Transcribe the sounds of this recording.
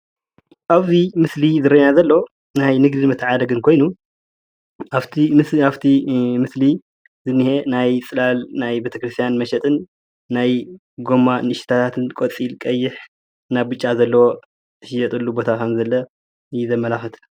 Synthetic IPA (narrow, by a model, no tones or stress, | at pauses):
ʔaβzimɨslizɨɾɐnazɐlːo | najnɨɡd̪inmɨt̪ʰːʕad̪ɐɡɨnkʰo̞jnu | aβt̪ʰiaβt̪ʰimɨsli | zɨnːihe̞najt͡sʼɨlalnajbet̪ʰɐkɾɨst̪ʰjanmɐʃɛt̪ʼɨnː | aj | ɡo̞mːanɨʃi̥t̪ʰat̪ʰat̪ʰɨnkʼot͡sʼilkʼɐjːɪħ | naβbɨt͡ʃʼːazɐlːɐwo̞ | t̪ɨʃɪjɛt̪ʼɨlːubo̞t̪ʰakʰɐmzɐlːɐ | ɨjɛzɐmːɐlaxɨt̪ʰ